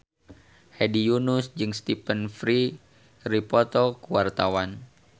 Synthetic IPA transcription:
hɛdijunusd͡ʒɨŋst̪ipənfɾi | ripɔt̪ɔkuwart̪awan

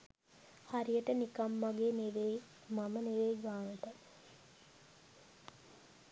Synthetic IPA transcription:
haɾijəʈənikamːaɡeːneʋej | maməneʋejɡaːnəʈa

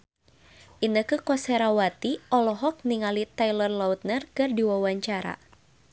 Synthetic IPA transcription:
ʔinəkɨkɔsɛɾawat̪iɔlɔɦɔk̚niŋalit̪ajlərlaut̪̚nərkɨrdiwawaɲt͡ʃaɾa̰

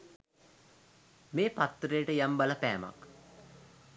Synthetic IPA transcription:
meːpat̪ːɾəjəʈəjambaləpæːma̰k

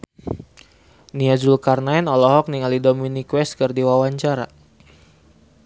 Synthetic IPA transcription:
niazulkarnaɛnɔlɔɦɔk̚niŋalidominikwɛskɨrdiwawaɲt͡ʃaɾa̰

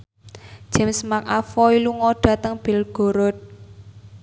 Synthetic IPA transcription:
ʒ̥ɛ̤msmakafɔiluŋɔɖ̥ä̤t̪əŋb̥e̤lɡ̥o̤ɾɔt̪̚

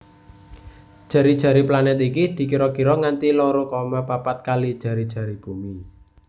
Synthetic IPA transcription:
d̥ʒ̥ä̤ɾid̥ʒ̥ä̤ɾiplanɛt̪ikid̪̥i̤kiɾɔkiɾɔŋant̪ilɔɾokɔmapapat̪̚kalid̥ʒ̥a̤ɾid̥ʒ̥a̤ɾib̥ṳmi

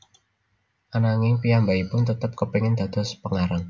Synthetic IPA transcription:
ʔanaŋɪŋpiambaipʊnt̪ət̪əp̚kəpiŋɪnd̪̥a̤d̪̥ɔ̤spəŋaɾaŋ

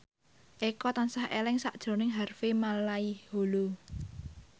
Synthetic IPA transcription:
ʔekɔt̪ansahʔḛlɪŋsaʔd̥ʒ̥o̤nɪŋɦarfemalaihholo

